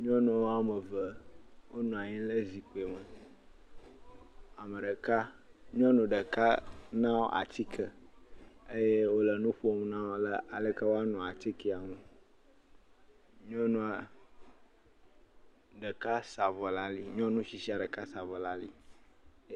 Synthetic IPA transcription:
ɲɔ̃˦nũ˨˦wa˨mə˨və˨wo˦nũ˨a˨ɲĩ˦lə˦zi˨k͡po˨e˨mə˨ | a˨mə˨ɖə˨ka˦ | ɲɔ̃˦nũ˨ɖə˨ka˦nã˦wo̰˦ʔa̰˨t̪i˦kʰə˨ | ə˦je˦wo˦lə˨nũ˦ɸu˦o˦m˨nã˦wo˦lə˦a˨lə˦ka˦wo˦a˦nũ˨a˨t̪i˦ki˨a˨ŋũ˦ | ɲɔ̃˦nũ˦a˨ | ɖə˨ka˦sa˨və˨la˦li˦ɲɔ̃˦nũ˦ʃi˨si˦a˨ɖə˨ka˦sa˨və˨la˦li˦

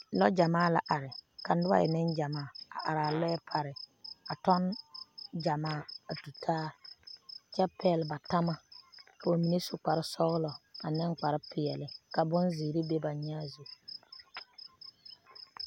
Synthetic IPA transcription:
lɔ˦d͡ʒa˨maː˦la˨ʔa˨ɾɪ˨ka˨n˦dʊ˦a̰˦˨jɪ̰˨nɪ˦nd͡ʒa˨maː˦˨a̰˨ʔa̰˨ɾaː˨lɛ˦ɛ˦pʰa˨ɾɪ˨a˨tɔ˦n | d͡ʒa˨maː˦˨a˨tu˨tʰaː˦ | t͡ʃɛ˦pɛ˦˨lba˨ta˦ma˦ko˨mi˨ne˦su˦k͡pa˨ɾɪ˦sɔ˦ɣlɔ˨a˨nɪ˦ŋk͡pa˨ɾɪ˦pɪ˨jɛ˨lɪ˨ka˨bʊ˦nzi˨ɾi˦be˦ba˨ɲaː˦zu˨

